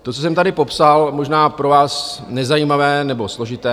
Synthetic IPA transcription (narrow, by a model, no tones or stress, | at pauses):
t̪ot͡sos̬ɛmt̪adɪpo̞psalmoʒnaːpɾo̞vaːsnɛzajiːmavɛːnɛbo̞slo̞ʒɪt̪ɛː